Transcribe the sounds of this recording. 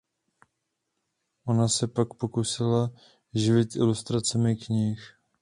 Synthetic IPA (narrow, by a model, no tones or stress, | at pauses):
ʔo̞nasɛpakpo̞kusɪla | ʒɪvɪt̪ɪlust̪ɾat͡sɛmɪkɲɪx